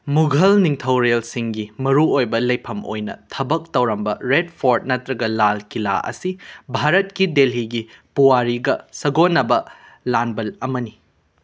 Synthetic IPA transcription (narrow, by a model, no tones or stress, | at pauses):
muɡʱɐlniŋtʰɐwɾelsiŋɡimɐɾuojbɐlɐjpʰɐmo̰jnɐ̰tʰɐbɐk̚tɐwɾɐmbɐɾed̚pʰoɾt̚nɐtɾɐɡɐlalkila̰ʔɐ̰sibʱaɾɐt̚kidelɦiɡipuwaɾiɡɐsɐɡonːɐbɐ | lanbɐlɐmɐni